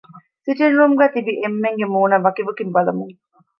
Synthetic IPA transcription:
siʈinɾuːmɡæːt̪ibiʔemːeŋɡemuːnɐʋɐkiʋɐkimbɐlɐmuŋ

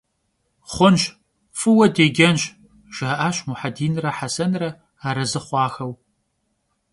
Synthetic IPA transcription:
χʷʊnʃ | fɨwɐdeːɡʲɐnʃ | ʒ̥aʔaːɕmuħadiːnrɐħasɐnrɐ | aːɾɐzɨχʷɑːxɐw

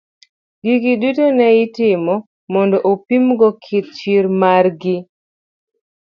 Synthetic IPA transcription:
ɡiɡidutonɛɪtɪmɔ | mɔndɔʔopimɡɔkʰɪt̚t͡ʃiɾmarɡɪ

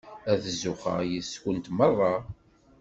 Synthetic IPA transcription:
æðzːʊχə̰jəskʷənt̪mərˤːɑ

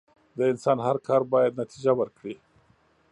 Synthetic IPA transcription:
d̪əɪnsɑnɦaɾkʰɑɾbɑjad̪nat̪ʰid͡ʒawəɾkɽi

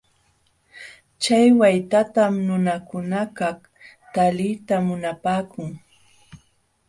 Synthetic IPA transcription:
t͡ʃajwajt̪at̪amnʊnakʊnakaχ | t̪alɪjt̪amʊnapaːkʊŋ

